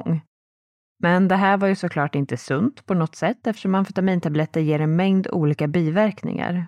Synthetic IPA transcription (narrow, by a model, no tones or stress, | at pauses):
ŋː | mɛnd̪ɛɦæːɾvaɾjɵsɔkʰlɑːʈɪnt̪əsɵnt̪pʰɔnɔt̪sɛt̪ːɛft̪əʂɔmːanfʏt̪amiːnt̪ʰablɛt̪ːəɾjeːɾɛnmɛŋd̪ṵːliːkabiːvæɾknɪ̰ŋa̰ɾ